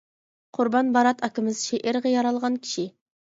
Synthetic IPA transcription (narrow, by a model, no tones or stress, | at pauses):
qʰʊɾbɑnbɑɾɑt̪ɑkʲɪmɪzʃeʔɪɾʁɑjɑɾɑlˠʁɑnkʲʰi̥ʃi